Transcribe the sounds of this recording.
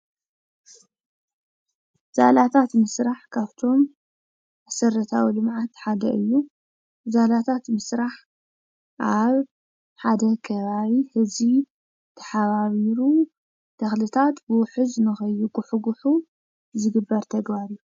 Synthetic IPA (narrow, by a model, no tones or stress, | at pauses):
za̰lat̪ʰat̪mɨsɾaħkʰaβt̪ʰo̞m | asɐɾɐt̪ʰawilɨmʕat̪ħad̪ɐ̰ʔɨjːu | zalat̪ʰat̪mɨsɾaħ | ʔaβ | ħad̪ɐkʰɐβaβihɨzi | t̪ʰɐ̥ħaβaβiɾu | d̪̥ɐxlɨt̪ʰat̪bɨwʊħɨzɨnɨxɐjːuɡʊħuɡʊħu | zɨɡɨbːɐɾt̪ʰɐɡβaɾiu